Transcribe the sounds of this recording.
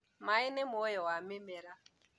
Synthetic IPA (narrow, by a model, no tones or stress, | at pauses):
maɪnɪmojɔwamemeɾa